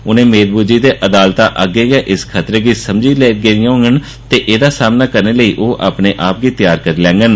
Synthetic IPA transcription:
ʊnẽːmeːɾbud͡ʒiːd̪eːʔəd̪aːlt̪ãːʔəɡeːɡɛːʔɪskʰət̪ɾeːɡiːsəmd͡ʒiːlɛːɡeɾɪjãːɦõːŋɡən | t̪eːʔeːd̪aːsaːmnaːkəɾneːləiːʔoːʔa̰ːpneːʔaːp̚ɡiːt̪ɪjaːɾkəɾiːlɛ̃ːŋɡən

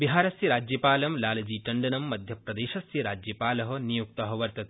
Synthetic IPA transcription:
biɦaːɾɐsiɾaːd͡ʒjɐpaːlɐmlaːlɐd͡ʒiːʈɐɳɖɐnɐmːɐd̪ʱjɐpɾɐd̪eːʃɐsjiɾaːd͡ʒjɐpaːlɐɦɐnijuk̚t̪ɐɦɐʋɐɾt̪ɐt̪e̥

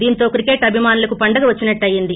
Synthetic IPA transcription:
d̪iːnt̪o̞ːkɾikeːʈɐbʱimaːnulɐkupɐɳɖɐɡɐʋɐt͡ʃːinɐʈːɐjind̪i

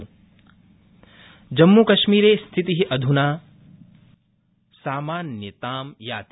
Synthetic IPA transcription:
d͡ʒɐmːukɐʃmiːɾeːst̪ʰit̪iɦiʔɐd̪ʱunaː | saːmaːnjɐt̪aːmjaːt̪

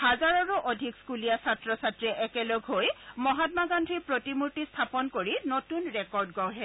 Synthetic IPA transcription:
hazaɹɔɹuʔodʱikskulijasatɹɔsatɹiʔɛkɛloɡʱɦojmɔɦat̚maɡandʱɹiɹpɹotimuɹtistʰapɔnkoɹinotunɹɛkɔɹdɡɔwɦɛ

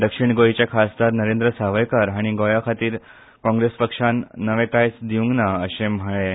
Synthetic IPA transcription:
d̪əkʂiɳɡojit͡ɕjakʰasd̪aɾnəɾẽnd̪ɾəsaʋəjkaɾaɽ̃iɡojakʰat̪iːɾ | kɔ̃ŋɡɾespəkʂanːəʋẽkajsd̪iũŋɡnaəɕem̤əɭe

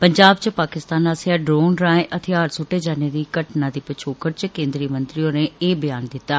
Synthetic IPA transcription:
pəɲd͡ʒaːb̚t͡ʃəpaːkɪst̪aːnaːsaːɖɾoːnɾãːẽʔət̪ʰɪaːɾsʊʈːeːd͡ʒaːneːd̪iːkəʈnãːd̪iːpət͡ʃʰoːkəɾt͡ʃkẽːnd̪ɾiːmənt̪ɾiõːneːeːbɪjaːnd̪ɪt̪ːaː

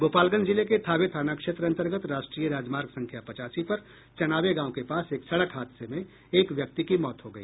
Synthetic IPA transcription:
boːpaːlɡə̃nd͡ʒɪleket̪ʰaːʋet̪ʰaːnakʃeːt̪ɾəɐ̃nt̪əɾɡət̪ɾaːʃʈɾiːjəɾaːd͡ʒmaːɾɡsɐ̃ŋkʰjapɐt͡ʃaːsipɐɾ | t͡ʃɐnaːʋeɡãːõkepaːseːksɐɽəkɦaːd̪semẽ | eːkʋjɐk̚t̪ikimɔːt̪ɦoɡɐḭː

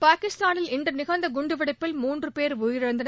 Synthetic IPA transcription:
paːkɪst̪aːnɪlɪɳdɐnɪɣɐnd̪ɐɡʊɳɖɯʋɐɽɐɪpːɪlmuːndrɯpeːɾʊjɪɾɪɻɐnd̪ɐn

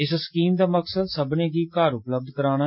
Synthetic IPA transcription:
ɪsskiːmd̪aːməksəd̪səbnẽːɡiːkaːɾʊpləb̚d̪kəɾaːna

